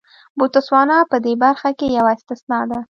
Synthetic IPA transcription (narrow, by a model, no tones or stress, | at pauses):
but̪ʊswɑnɑpəd̪ebaɾxakejawaɪst̪ɪsnɑd̪a